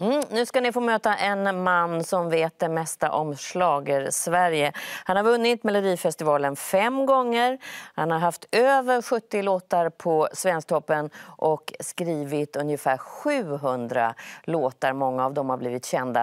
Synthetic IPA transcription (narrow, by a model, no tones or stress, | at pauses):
m̩ːnʉ̟ːskanɪfoːmøːt̪aʔɛnmanːsɔmveːt̪̚d̪ɛmɛst̪a̰ʔɔmslɑːɡəɾsvæɾjəhanhaɾvɵnːɪt̪mɛlʊd̪iːfɛst̪ɪvɑːlənfɛmːɡɔŋːəɾhanhaɾɦaft̪øːvəɾɧɵt̪ːɪloːt̪aɾpʰɔsvɛnsk̚t̪ʰɔpːənʔɔkskɾiːvɪt̪ɵnjəfæːɾɧʉ̟ːɦɵnd̪ɾa̰loːt̪aɾmɔŋːaːvd̪ɔmhaɾbliːvɪt̪ɕɛnd̪a̰